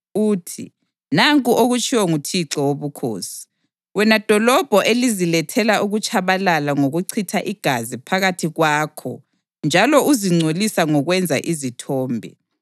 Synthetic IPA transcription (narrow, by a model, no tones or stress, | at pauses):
uːtʰḭ | naŋkʼuʔoɣut͡ʃʰʼiwɔŋutʰiǁɔwoβukʰo̰ːsi̥ | wɛnad̥ʱɔlɔb̥ʱɔʔelizilɛtʰɛlaʔuɣut͡ʃʰʼaβalalaŋoɣuǀʰitʰaʔiɡ̥ʱazipʰaɣatʰiɣwaːkʰɔ̰ | nd͡ʒʱalɔuziŋ͡ǀʱolisaŋɔɣwɛnd͡zʱa̰ʔizitʰɔːmbʱɛ̰